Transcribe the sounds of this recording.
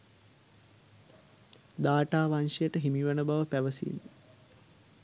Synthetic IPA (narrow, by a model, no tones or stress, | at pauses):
d̪aːʈaːʋanʃejəʈəɦimiʋənəbaʋəpæʋəsḭːn